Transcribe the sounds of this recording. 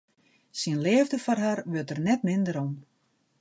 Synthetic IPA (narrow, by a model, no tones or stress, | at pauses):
sinlɛːvdəfɔrɦarʋøtərnɛtmɪndəɾɔm